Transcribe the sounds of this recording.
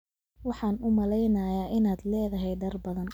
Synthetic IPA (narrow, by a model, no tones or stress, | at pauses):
wɑħɑːnʊmɐlɛjnɐːjaːʔɪnaːd̪lɛːðɐɦɛjd̪ɐrbɐðɐn